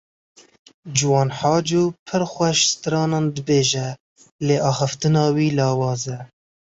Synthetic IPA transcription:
d͡ʒuwɑːnħɑːd͡ʒuːpʰɨɾxʷɛʃst̪ɨɾɑːnɑːnd̪ɨbeːʒɛ | leːʔɑːxɨft̪ɨnɑːwiːlɑːwɑːzɛ

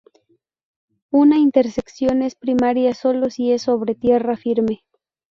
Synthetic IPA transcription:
unaint̪e̞ɾseksjo̞nespɾimaɾjaso̞lo̞sie̞sːo̞βɾe̞t̪je̞rafiɾme̞

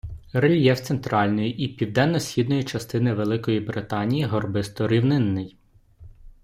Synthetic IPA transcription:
rɪlʲjɛwt̪sent̪ɾɑlʲnɔjiʔipʲiwd̪ɛnːɔsʲxʲid̪nɔjit͡ʃɐst̪ɪnɪʋelˠɪkɔjibɾɪt̪ɑnʲijiɦɔrbɪst̪ɔɾʲiwnɪnːɪj

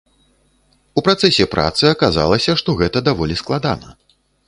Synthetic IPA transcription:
upɾat̪sɛsʲɛpɾʔa̰t̪sɨɐkaza̰lˠɐsʲɐʂt̪ɔɣɛt̪ɐd̪avɔlʲisklˠad̪a̰nɐ̰

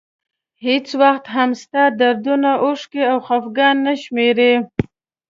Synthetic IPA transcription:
het͡swaxt̪ɦamst̪ad̪aɾd̪unaʔʊʂkeawxafɡɑnːəʃmeɾe

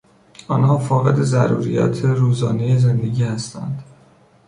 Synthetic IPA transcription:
ɒːnhɒːfɒːɣe̞d̪e̞zæɾṵːɾijæ̰t̪ʰeɾuːzɒːnejeze̞nd̪e̞ɟiːhæst̪æ̰nd̪̥

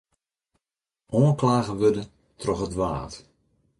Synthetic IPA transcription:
ʔoənklaːɣəʋødə | tʰrɔxətʋa̰ːt

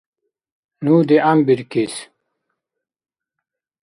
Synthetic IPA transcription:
nuːd̪iambiɾkis

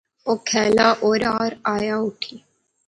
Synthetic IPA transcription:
oːkʰɛːlaːʔoːɾaːɾaːjaːʊʈʰiː

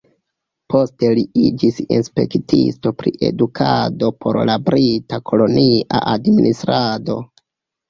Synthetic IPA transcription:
po̞ste̞liid͡ʒisinspe̞̰ktʰḭsto̞pɾiʔe̞̰dukʰado̞pʰo̞̰ɾlabɾitakʰo̞lo̞niʔa̰ʔadminʔistɾado̞

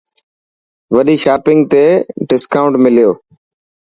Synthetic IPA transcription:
ʋəɗiːʃaːpɪ̃ŋɡ̚t̪eːɖɪskaːʊ̃ɳʈmɪlɪjoː

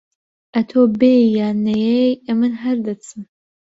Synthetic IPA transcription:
ʔɐt̪ʰoːbejaːnɐjejɐmɨnɦɐɾd̪ɐt͡sʰɨm

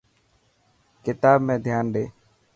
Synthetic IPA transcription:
kɪt̪aːbmẽːd̪ʱjaːnɖeː

